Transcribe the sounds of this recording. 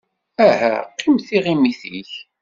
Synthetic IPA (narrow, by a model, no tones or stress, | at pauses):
æhæ̰qːimθiʁimiθiç